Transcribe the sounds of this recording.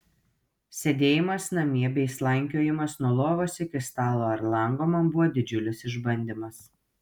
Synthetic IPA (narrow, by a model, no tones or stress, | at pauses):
sʲɛd̪ʲeːjɪmɐsnɐmʲiɛbʲɛɪslˠɐŋʲkʲoːjɪmɐsnuɔlˠoːʋoːsʲɪkʲɪst̪ɑːlˠoːɐɾlˠɐˑŋɡoːmɐbʊʋɔːd̪ʲɪd͡ʒʲʊlʲɪsɪʒbɐnʲd̪ʲɪmɐs